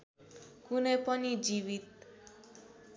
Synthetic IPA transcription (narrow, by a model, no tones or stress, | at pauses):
kunepʌnid͡ʒiβit̪